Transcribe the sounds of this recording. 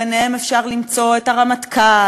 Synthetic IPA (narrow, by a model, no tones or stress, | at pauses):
eneemefʃaʁlimt͡so̞etaʁamat̪kʰa